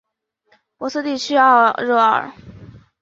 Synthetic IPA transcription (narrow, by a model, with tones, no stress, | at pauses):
pwɔ˧˥s̩˥˧t̪i˥˩t͡ɕʰy˥a˥˧ɻɔ˥˩ə˥˨˩